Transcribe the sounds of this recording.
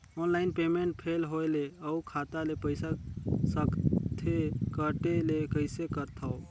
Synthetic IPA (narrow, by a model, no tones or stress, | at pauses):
ɔnlaɪnpemeɳʈ̚pʰelɦoeleəukʰat̪alepəɪsasəkt̪ʰekəʈelekəɪsekəɾt̪ʰao